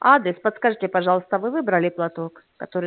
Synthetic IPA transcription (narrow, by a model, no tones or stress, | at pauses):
ad̪ɾʲɪspət̪skɐʐɨtʲɪpɐʐɑlˠəst̪əvɨvɨbɾəlʲɪplˠɐt̪o̞kːɐt̪oɾɨ